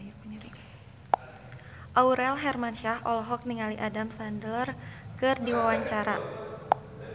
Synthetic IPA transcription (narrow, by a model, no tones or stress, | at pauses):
pəɲiɾik | ʔauɾɛlɦɛrmanʃahʔɔlɔɦɔk̚niŋaliʔadamsandlərkɨrdiwawaɲt͡ʃaɾa